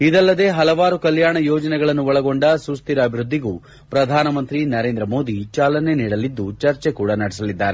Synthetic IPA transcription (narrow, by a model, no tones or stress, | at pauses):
id̪ɐlːɐd̪e̞ɦɐlɐʋaːɾukɐljaːɳɐjoːd͡ʒɐnɛɡɐɭɐnːuʋɐɭɐɡo̞ɳɖɐsust̪iɾɐːbʱiɾud̪ʱːiɡuː | pɾɐd̪ʱaːnɐmɐnt̪ɾinɐɾeːnd̪ɾɐmo̞ːd̪it͡ʃaːlɐne̞niːɽɐlːid̪ːut͡ʃɐɾt͡ʃekuːɽɐnɐɽis̬ɐlid̪ːaːɾe